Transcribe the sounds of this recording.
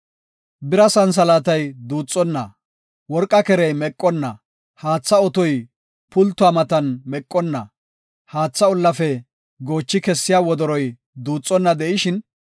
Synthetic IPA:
bɪɾɐsɐns̬ɐlaːt̪ɐjd̪uːt͡sʼːɔnːɐ | wɔɾkʼːɐkɛɾɛjmɛkʼːɔnːɐ | haːt͡sːɐɔt̪ɔj | pʊlt̪ːʊamɐt̪ɐnmɛkʼːɔnːɐ | haːt͡sːɐɔlːɐfɛ | ɡo̞ːt͡ʃːɪkɛsːɪjaːwɔd̪ɔɾɔj | d̪uːt͡sʼːɔnːɐd̪ɛʔɪʃɪn

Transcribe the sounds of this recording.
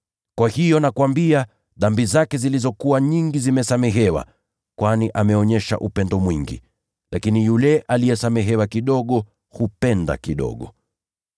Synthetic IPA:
kwahijɔnakwambia | ðambizakɛzilizɔkuwaɲiŋɡizimɛsamɛɦɛwa̰ | kwaniʔamɛɔɲɛʃa̰ʔupɛndɔmwiŋɡḭ | lakinijulɛʔalijɛsamɛɦɛwakiɗɔɠɔ | hupɛnda̰kiɗɔ̰ɠɔ

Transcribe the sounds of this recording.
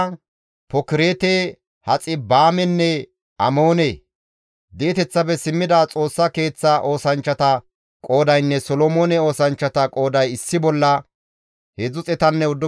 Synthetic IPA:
pɔkɪɾeːt̪e | hɐt͡sʼːɪbaːmɛnːɛ | ɐmo̞ːne | d̪eːt̪ɛt͡sːɐbɛsɪmːɪd̪aːt͡sʼo̞ːsːɐke̞ːt͡sːaʔo̞ːsɐnt͡ʃːɐt̪ɐ | kʼo̞ːd̪ɐjnːɛsɔlomoːnɛo̞ːsɐnt͡ʃːɐt̪ɐkʼo̞ːd̪ɐjɪsːɪbɔlːɐ | hezʊt͡sʼɛt̪ɐnːɛʊd̪ːɔ

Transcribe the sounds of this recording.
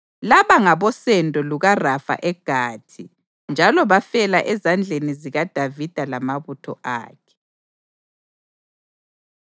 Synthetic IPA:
laβaŋaβɔsɛndʱʼɔluɣarafa̰ʔɛɡ̥ʱaːtʰi | nd͡ʒʱalɔβafɛlaʔɛzand͡ɮʱeniziɣad̥ʱavid̥ʱalamaβutʰɔ̰ʔa̰ːkʰɛ̥

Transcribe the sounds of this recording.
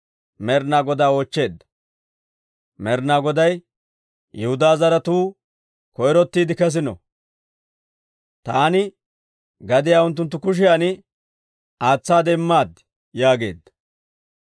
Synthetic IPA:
mɛɾnaːɡɔd̪aːoːt͡ʃːe̞ːd̪ːɐ̥ | mɛɾnaːɡɔd̪ɐj | jɛhʊd̪aːzɐɾɐt̪uː | kɔjɾɔt̪ːiːd̪ɪkɛs̬ɪnɔ̰ | t̪aːnɪ | ɡɐd̪ɪjaːʊnt̪ːʊnt̪̬ːʊkʊʃ̬ɪjaːnɪ | aːt͡sːaːd̪ɛɪmːaːd̪ɪ̥ | jaːɡe̞̰ːd̪ːɐ̥

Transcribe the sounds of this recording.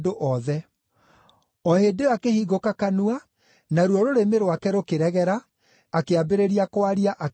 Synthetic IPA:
doʔɔðɛ | ɔhedeakehiɣokakanua | naɾwɔɾoɾemeɾwakɛɾokeɾɛɣɛɾaː | keabeɾeɾiakowaɾiaʔa

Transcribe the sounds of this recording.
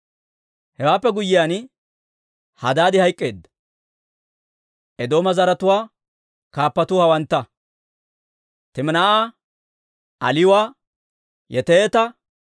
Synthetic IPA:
hɛwaːpːɛɡʊjɪjaːn | hɐ̰d̪aːd̪ɪhɐjkʼːe̞ːd̪ːɐ̥ | ʔɛd̪o̞ːmɐzɐɾɐt̪ʊwaː | kaːpːɐt̪ʊhɐwɐnt̪ːɐ | t̪ɪmnaʔa | ɐ̰lɪjwaː | jɛt̪et̪ɐ

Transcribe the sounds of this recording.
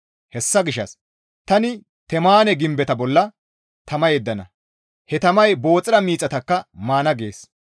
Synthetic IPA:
hɛsːɐɡɪʃːɐ̰s | t̪ɐnɪ | t̪ɛmaːnɛɡɪmbɛt̪ɐbɔlːɐ | t̪ɐmɐjɛd̪ːɐnɐ | hɛt̪ɐmɐjbo̞ːt͡sʼɪɾɐmiːt͡sʼːɐt̪ɐkːɐmaːnɐɡe̞̰ːs

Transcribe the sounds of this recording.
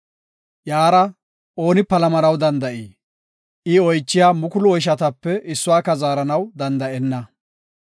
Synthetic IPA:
jaːɾɐ | ʔo̞ːnɪpɐlɐmɐɾɐwd̪ɐnd̪ɐʔiː | ʔɪɔjt͡ʃːɪjaːmʊkʊlʊɔjʃ̬ɐt̪ɐpːɛɪsːʊwaːkɐzaːɾɐnɐwd̪ɐnd̪ɐʔɛnːɐ

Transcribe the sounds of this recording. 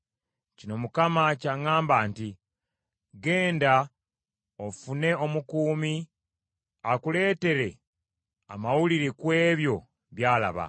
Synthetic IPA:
cino̞mukamacaŋaːmbaːnti | ɡeːnda | ofune̞o̞mukuːmi | akule̞ːte̞ɾe̞ | a̰mawuliɾekwe̞ːβjo̞ | βjaːla̰βa̰

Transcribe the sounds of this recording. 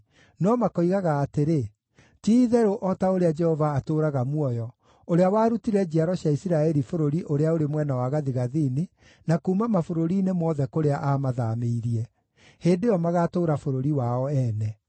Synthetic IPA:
nɔmakɔiɣaɣaːteɾe | tiːðɛɾoʔɔtaoɾead͡ʒɛhɔvaːtoːɾaɣamwɔjɔ | oɾeawaːɾutiɾɛd͡ʑiaɾɔɕjaisiɾaɛɾifoɾoɾiʔoɾeaoɾemwɛnawaɣaðiɣaðiːni | nakuːmamafoɾoɾiːnemɔðɛkoɾeaʔamaðameiɾiɛ | heːndejɔmaɣaːtoːɾafoɾoɾiwaɔɛːnɛ

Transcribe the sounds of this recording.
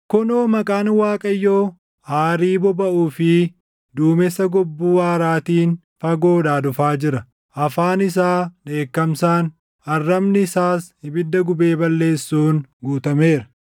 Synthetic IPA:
kɔnoːmɐkʼaːnwaːkʼɐjːoː | haːɾiːbɔbɐʔuːfɪ | d̪uːmɛsːɐɡɔbːuːwaːɾaːt̪iːn | fɐɡo̞ːᶑaːd̪ʊfaːd͡ʒɪɾɐ | ʔɐfaːnɪs̬aːᶑe̞ːkːɐmsaːn | ɐrːɐmnɪɪsaːshɪbɪd̪ːɐɡʊbe̞ːbɐlːe̞ːsːuːnɡuːt̪ɐme̞ːɾɐ̥

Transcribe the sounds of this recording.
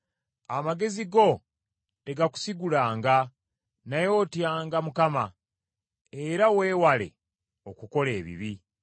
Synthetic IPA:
amaɡe̞ziɡo̞ | te̞ɡaku̥siɡulaːŋɡa | najo̞ːtjaːŋɡamukama | eɾaweːwale̞̰ | o̞kuko̞le̞ːβḭβi

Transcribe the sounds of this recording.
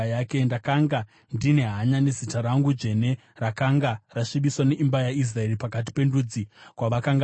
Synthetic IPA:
jaːkendakaŋɡa | ndine̞ɦaɲane̞zitaɾaŋɡud͡ʒe̞ne̞ | rakaŋɡaraʂiɓiswaneʔimbajais̬rae̞ripakat̬i̥pe̞ndud͡zikwaʋakaŋɡa

